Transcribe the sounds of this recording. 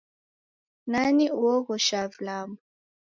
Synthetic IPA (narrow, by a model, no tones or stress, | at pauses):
naniuwɔɣɔʃavlamu